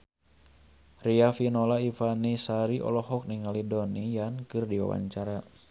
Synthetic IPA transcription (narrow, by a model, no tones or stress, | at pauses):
riafinɔlaifanisaɾiʔɔ̰lɔɦɔk̚niŋalidonijankɨrdiwa̰wa̰ɲt͡ʃaɾa